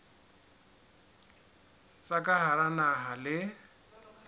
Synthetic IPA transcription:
t͡sʼakʼaɦaɾanaɦalɪ

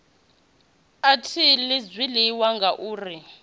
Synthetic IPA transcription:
atʰilɪd͡zwiliwaŋɡaʔuːri

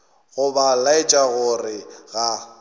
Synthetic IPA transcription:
ɣʊbalaɪt͡ʃʼaɣʊrɪɣa

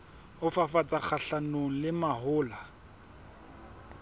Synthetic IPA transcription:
ʊfafat͡sʼak͡xʰaɬanoŋ̩lɪmahʊːla

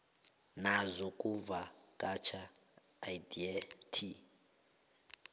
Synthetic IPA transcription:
nazʷɔkʼuvakʼat͡ʃʰaː | jdiɛtʰi

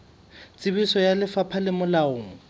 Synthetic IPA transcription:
t͡sʼɪbisɔjalɪfapʰalɪmʊlaoːŋ̩

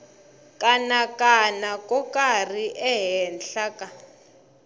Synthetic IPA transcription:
kʼanakʼanakʼɔkʼar̤iʔɛɦɛnɬakʼa

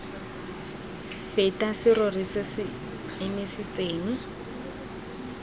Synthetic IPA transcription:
fetʼasɪrʊrisɪsɪ | ɪmɪsɪt͡seːŋ̩

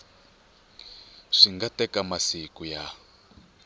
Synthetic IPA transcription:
ʂiŋɡatɛkamasikuja

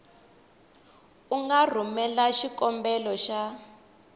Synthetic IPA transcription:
uŋɡar̤umɛlaʃikɔmbɛlɔʃa

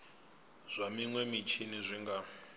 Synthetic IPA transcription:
z̥ʷamiŋwɛmit͡ʃʰinizʷiŋɡa

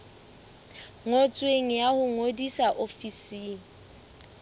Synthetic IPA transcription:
ŋot͡sʼweŋ̩jahʊŋodisaʔofisiːŋ̩

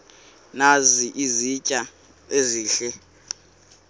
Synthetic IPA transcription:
naziʔizit͡ʃʼa | eziːɬɛ

